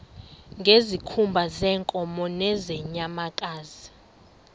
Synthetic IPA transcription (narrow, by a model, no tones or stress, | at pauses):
ŋɡʱezikʰumbʱazɛːŋkʼɔmɔnɛzɛɲamakʼaːzi